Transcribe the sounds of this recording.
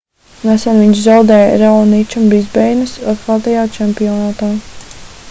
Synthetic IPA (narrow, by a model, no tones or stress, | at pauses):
nasanviɲʃzawd̪ɛːj̰ɾawnit͡ʃambizbɛjnɨsat̪̚kalt̪ajaːt͡ʃɛmpiɔnaːt̪aː